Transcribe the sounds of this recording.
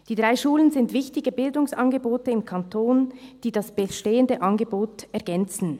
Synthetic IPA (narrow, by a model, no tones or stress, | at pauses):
d̥iːdʁaɪʃuːlənzɪntv̥ɪçtɪɡəbɪldʊŋsɑnɡəboːtəɪmkʰantʰoːnd̥iːdasb̥əʃteːəndəʔɑnɡəboːtɛɐʁɡɛnt͡sn̩